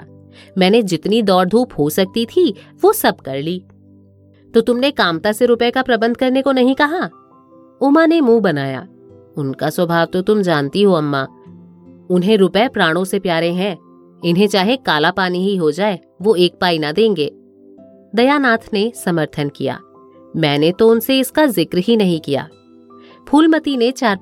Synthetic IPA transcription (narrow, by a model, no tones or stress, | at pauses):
mɛ̃ːned͡ʒɪt̪nid̪ɔːɾd̪ʱuːpɦosɐk̚t̪it̪ʰiʋosɐb̚kɐɾliː | t̪oːt̪ʊmnekaːmt̪aseɾʊpkapɾɐbə̃nd̪̚ʱkɐɾnekonɐɦĩkɐɦa | ʊmanemũːbɐnaːja̰ː | ʊnkaswɐbʱaːʋt̪ot̪ʊmd͡ʒaːnt̪iɦoɐmːaː | ʊnɦẽɾʊpɛpɾãːɽ̃õsepjaːɾẽɦɛ̃ | ɪnɦẽt͡ʃaːɦekaːlapaːniɦiɦod͡ʒaːe | ʋoeːk̚paːinad̪ẽːŋɡeː | d̪ɐjaːnaːt̪ʰnesɐməɾt̪ʰənkija̰ː | mɛ̃ːnet̪oʊnseɪskazɪkɾɦinɐɦĩkija̰ː | pʰuːlmɐt̪inet͡ʃaːɾ